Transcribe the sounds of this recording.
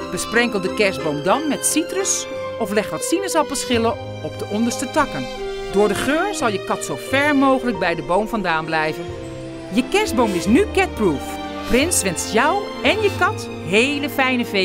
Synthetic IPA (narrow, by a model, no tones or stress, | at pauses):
b̥əsprɛŋkəlˠdəkɛɹsbowmdɑnmɛtsitrəs | ɔflɛχtʋɑtsinəsɑpfəɹsχɪlə | ɔp̚dəʔɔndəɹstətɑkən | dʊːɹdəχøːɹzɑlˠjəkɑtsowfɛɹmowχələk̚bɛjdəbowmfɑndaːnblɛjvən | jəkɛɹsbowmɪsnykɛt̚pruːf | prɪnsʋɛnstjɔw | ɛnjəkɑt | ɦejləfɛjnəve